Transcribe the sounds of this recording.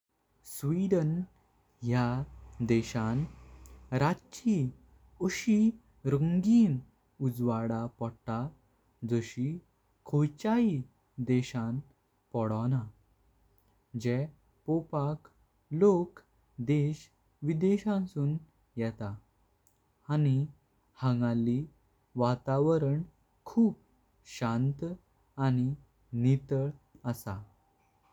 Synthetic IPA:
sʋiɖən | jad̪ɛɕãn | ɾat͡ɕi | ɔɕi | ɾəŋɡiːn | ud͡zʋaɽapɔɽt̪a | d͡zəɕi | kʰot͡ɕai | d̪ɛɕãn | pɔɽana | d͡ʑɛ | popak | lok | d̪eɕ | ʋid̪eɕãnsuːn | jɛt̪a | ani | hãŋɡali | ʋat̪aʋəɾəɳ | kʰuːp̚ | ɕãnt̪ | añi | nit̪əɭəsa

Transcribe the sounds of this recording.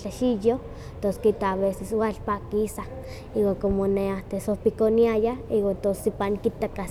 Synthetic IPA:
t͡ɬaʃijo | t̪oskit̪aːβeseswalpakisa | iwakomoneaht̪esopikoniajaiwat̪osipaŋkit̪aka

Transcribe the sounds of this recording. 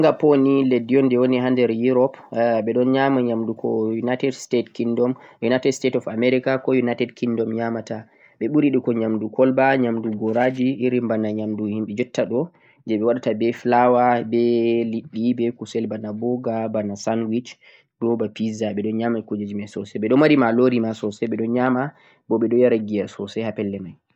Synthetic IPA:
ŋɡaponilediɔndɛwonihandɛɾjuɾɔpɓɛɗɔnɲamaɲamdukʰɔ̰junajtɛdstetkindɔmjunajtɛdstetɔfamɛɾikakɔjunajtɛdkʰindɔmɲamata | ɓɛɓuɾiɗikɔɲamdukʰɔlbaɲamduɡɔɾad͡ʒiʔːɾimbanaɲamduhimɓɛd͡ʒɔtːaɗɔ | d͡ʒɛɓɛwaɗatabɛflawabɛliɗːibɛkusɛlbanabɔɡabanasanwit͡ʃ | ɾɔbapizaɓɛɗɔnɲamakud͡ʒad͡ʒimasɔsɛɓɛɗɔmwaɾimaloɾimasɔsɛɓɛɗɔnɲama | bɔɓɛɗɔjaɾaɡijasɔsɛhapɛlːɛmaj

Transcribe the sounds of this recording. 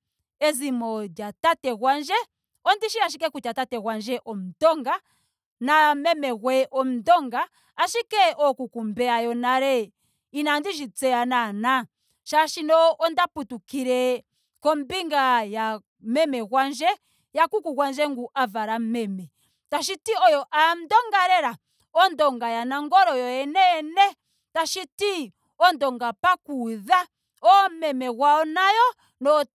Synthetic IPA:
ɛzimɔdjatatɛɣwand͡ʒɛ | ɔndiʃiaʃ̬ikɛkut͡ʃatatɛɣwand͡ʒɛʔɔm̩dɔŋɡa | namɛmɛɣwɛʔɔm̩dɔŋɡaː | ʃikɛʔɔkukumbɛajɔnaɾɛ | inandiʒit͡sɛanana | ʃaʃinɔɔndaputukiɾɛ | kɔmbiŋɡaja | mɛmɛɣwand͡ʒɛ | jakukukwand͡ʒɛŋɡuʔavaɾamɛmɛ | taʃ̬itiɔjɔʔan̩dɔŋɡaɾɛɾa | ɔndɔŋɡajanaŋɡɔɾɔjɔɛnɛɛnɛ | taʃiti | ɔndɔŋɡapakuða | ɔmɛmɛɣwaɔnajɔ | nɔ

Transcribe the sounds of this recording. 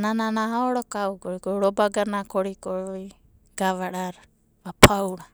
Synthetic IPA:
nananaɦaɔɽɔkaukɔɾikɔuɾɔbaɡanakɔɾikɔɾɔi | ɡ̥aβaɾaɾ | βapʰauɽa

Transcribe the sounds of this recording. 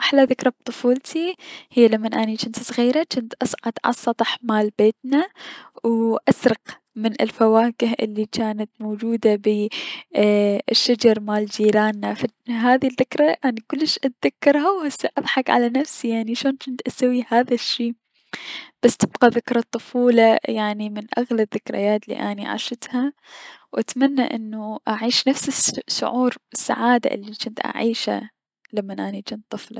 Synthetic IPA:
ʔaħlaðɪkɾˤɑb̚t̪ˤɨfuːlt̪ʰihɪjːalamːanʔanit͡ʃɪnt̪sˤɣiːɾat͡ʃɪnt̪ʔɑsˤʕɑ̰d̪ʕɑ̰sˤːɑt̪ˤɑħmaːlbeːt̪nawʔasɾɑq | mɪnɪ̰lfawaːkɪɦʔɪ̰lːikaːnat̪moːd͡ʒuːd̪abi | ɪʃːad͡ʒɑɾˤmaːld͡ʒiːɾaːnːafa | ɦaːðiðːɪkɾˤaʔanikʊlːɪʃʔat̪ðakːɑɾˤhawhasaʔɑðˤħɑkʕa̰lanafsijaʕniʃoːnt͡ʃɪnt̪ʔasawːihaːðaʃːiː | b̥asːt̪ɪbqɑðɪkɾˤɑt̪ˤːʊfuːlajaʕnimɪnʔa̰ɣlabðɪkɾa̰jaːt̪lḭːʔaniʕa̰ʃɪt̪hawʔat̪manːa̰ʔɪnːuʔaʕiːʃnafsɪʃːʊ̰ʕuːɾɪsːa̰ʕaːd̪a̰ʔɪ̰lːit͡ʃɪnt̪ʔa̰ʕiːʃa̰ | lamːanʔanid͡ʒɪnt̪ˤːɨflɑ̰

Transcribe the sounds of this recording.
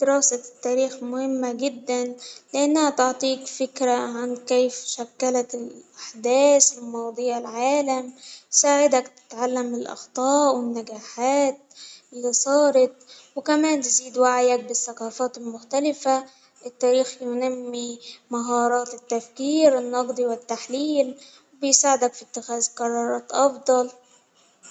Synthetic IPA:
d̪ɪɾɑːsat̪ːaːɾiːxmʊhɪmːaɡɪd̪ːanlɪʔanːahat̪oʕt̪ˤiːkfɪkɾaʕankeːfʃakːalat̪ɪlʔaħd̪æːsɪlmɑːd̪ˤɨːʕɪlʕaːlamsaːʕɪd̪akt̪ɪ̥t̪ʕalːamɪlʔɑ̰xt̪ˤɑːʔwɪnːaɡaːħaːt̪̚ʔɪlːiːsˤɑːɾˤɑt̪̚wɪkæmæːnt̪ɪziːd̪waʕajak̚bɪsːɑqɑːfɑːt̪ɪlmʊxt̪alɪfa | ʔɪt̪ːæːɾiːxjnamːimaɦɑːɾˤɑːt̪ɪt̪ːafkiːɾɪnːɑqd̪ˤiwɪt̪ːaħliːl | wbɪjsaːʕɪd̪akfit̪ːɪxæːzqɑɾˤːɑːɾˤɑːt̪ʔɑfd̪ˤɑl

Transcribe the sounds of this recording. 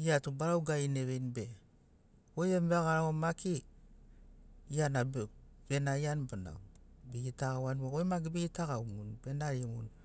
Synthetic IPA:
iatubaɾawɡaineβejnbe | ojembeɣaɾaomaki | ijanabbenajanbana̰wbiɡitaɣawanweojmaɡibiɡitaɣawmunbenaɾiemun

